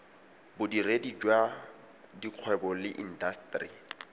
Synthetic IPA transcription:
bʊdiredid͡ʒwa | diq͡χʰwɛbɔlɪʔindastri

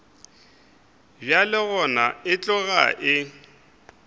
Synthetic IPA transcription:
bjalɪɣɔnaɪt͡ɬʼɔɣa̰ʔɪ

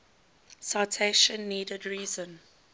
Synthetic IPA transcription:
saɪtʰeɪʃə̃nːiːdədɹiːzə̃n

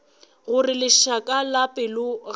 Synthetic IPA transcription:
ɣʊrɪlɪʃakʼalapʼɪlʊɣ

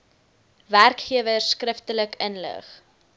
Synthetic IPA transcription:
værkχiəvəskrəftələkənlə̰χ

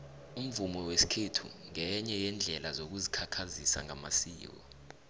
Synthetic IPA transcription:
um̩vumɔwesi̥kʰetʰṵŋɛɲɛjɛnd͡ɮʱɛlazok̬uzikʰakʰazisa̰ŋa̰ma̰siːwɔ̰

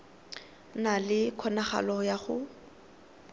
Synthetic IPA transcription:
nalɪkʰɔnaχa̰lɔjaχʊ

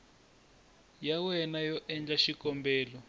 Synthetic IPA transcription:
jawɛnajɔʔɛnd͡ɮaʃikɔmbɛːlɔ

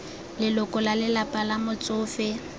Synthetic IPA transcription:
lɪlʊkʼɔlalɪlapʼalamʊt͡sʼʊːfɪ

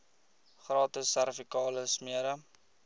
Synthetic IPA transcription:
χrɑːtəsːærfikɑːləsmiəɾə

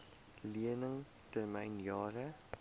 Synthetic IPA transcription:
liənəŋ | tərmɛjnjɑːɾə

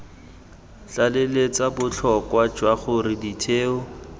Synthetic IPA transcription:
t͡ɬalelet͡sabʊt͡ɬʰɔkwad͡ʒwaχʊrɪditʰeːʊ

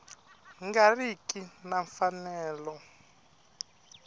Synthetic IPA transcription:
ŋɡarikinaɱfanɛːlɔ

